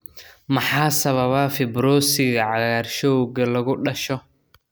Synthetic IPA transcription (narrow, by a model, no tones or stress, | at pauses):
mɑħɑːsɐβɐβɐfɪbɾɔːsɪɣɐʕɑɣarʃɔwɣɐlɐɣʊɖɐʃɔ